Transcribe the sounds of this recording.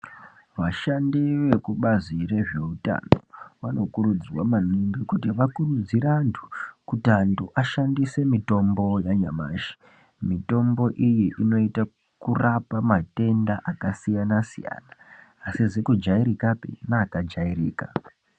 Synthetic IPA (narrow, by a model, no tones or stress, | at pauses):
ʋaʃandiʋe̞kuɓazire̞ʐe̞uta̰noʋano̞kuɾud͡zwamaniŋɡikutiʋakurud͡ziɾantʰu̥kutanduʔaʃandise̞mito̞mbo̞jaɲa̰ma̰ːʃi̥ | mito̞mbo̞ʔijiʔino̞ita | kurapamate̞ndaʔakasijanasḭja̰ːnaːsizekud͡ʒaiɾikapḭnaːkad͡ʒairiːka